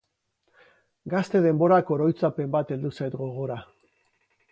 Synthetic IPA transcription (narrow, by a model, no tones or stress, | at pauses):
ɡast̪e̞ð̞e̞mbo̞ɾako̞ɾo̞jt͡sape̞mbat̪e̞ld̪usajt̪ɡo̞ɣ̞o̞ɾa